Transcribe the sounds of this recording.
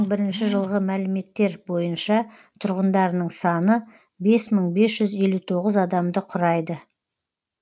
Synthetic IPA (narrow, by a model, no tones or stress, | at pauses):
ɴbɪɾɪnʃɪʒəlˠʁəmælɪme̞t̪ːe̞ɾbo̞jənʃɑ | t̪ʰʊɾʁənd̪ɑɾənəɴsɑnə | be̞sməɴbe̞sʒ̥ʏze̞lut̪ʰo̞ʁəzɑd̪ɑmd̪əqʰʊɾɑjd̪ə